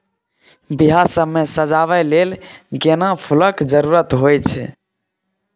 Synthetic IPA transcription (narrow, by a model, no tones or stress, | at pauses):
biɦasəbmesəd͡ʒaʋɛlelɡenapʰuləkd͡ʒəɾuɾət̪ɦojt͡ʃʰɛ̰